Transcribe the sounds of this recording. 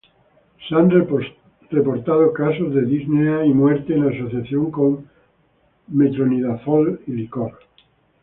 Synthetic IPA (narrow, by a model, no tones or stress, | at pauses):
san | repo̞ɾt̪að̞okasozðe̞ðizneaimweɾt̪eːnaːso̞θjaθjo̞ŋko̞ŋ | met̪ɾoniðafolilikoɾ